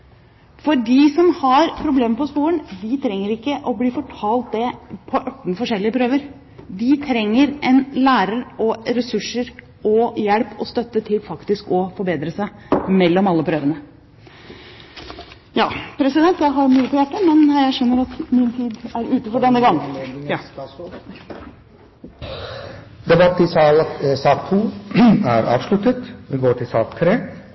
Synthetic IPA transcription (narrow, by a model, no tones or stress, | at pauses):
fɔɖiːsɔmhɑɾpʰɾʊbleːməpɔspuːəɳd̪ɪt̪ʰɾɛŋːəɾɪkːəʔɔbliːfɔʈʰɑːlt̪̚d̪ɛpʰɔʔɑʈːn̩fɔʂɛlːɪəpʰɾøːʋəɾ | d̪ɪt̪ʰɾɛŋːəɾɛnlæːɾəɾɔɾɛsʉʂəɾ | ɔjɛlpʰɔst̪œt̪ːət̪ʰɪlfɑkt̪ɪskɔfɔɾbeːd̪ɾəsæɪmɛlːɔmɑlːəpʰɾøːʋənə | jɑːpʰɾɛsɪd̪ɛnt̪jæɪɦɑɾmyːəpʰɔjæʈːɑmɛnjæɪʂœnːəɾɑt̪mɪnt̪ʰiːd̪æɾʉːt̪əfɔɖɛnːəɡɑŋː | d̪ɛbɑt̪ːɪsɑːk̚t̪ʰuːæɾɑ̰ːʋʂlʉt̪ət̪ʋɪɡoːʈʰɪlsɑ̰ːkt̪ʰːɾeː